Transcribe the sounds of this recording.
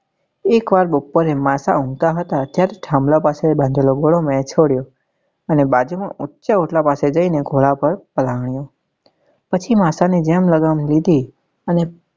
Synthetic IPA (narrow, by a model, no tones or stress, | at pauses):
ekʋaɾbopːoɾemasa̰ũŋɡt̪aɦət̪at̪jaɾeʈʰãmlapasebʱãnd͡ʒ̪ʱeloɡoɭomet͡ʃʰoɽjo | ənebad͡ʒumãʔutːʃaoʈlapased͡ʒəineɡʱoɭapəɾpəlaʋɳjo | pət͡ʃʰimasanid͡ʒemləɡamlid̪ʱi | əne